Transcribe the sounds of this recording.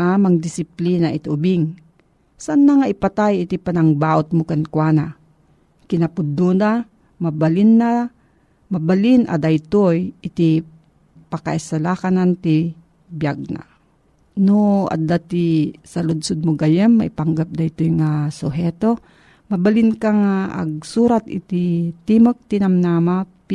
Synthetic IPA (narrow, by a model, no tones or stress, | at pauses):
amaŋd̪ɪsɪplinaʔɪt̪ʊbiŋ | sanːaŋaʔɪpat̪ajɪt̪ipanɐŋbaːʔʊt̪̚mokankwana | kɪnɐpʊd̪una | mabalinːa | mɐbalinʔa̰d̪ajt̪ojʔɪt̪i | paka̰ʔisalakanant̪i | bjaɡ̚na̰ | noa̰d̪at̪isalʊd̪sʊd̪̚moɡajɛmːaʔipaŋɡap̚d̪ajt̪ojŋasʊɦɛt̪o | mɐbalɪnkaŋaʔa̰ɡ̚suːɾat̪ɪ̰t̪it̪imok̚t̪inamnamap